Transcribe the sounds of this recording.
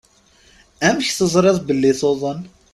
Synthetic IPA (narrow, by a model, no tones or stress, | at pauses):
æmçθəzˤɾeðˤbəlːɪθoðˤən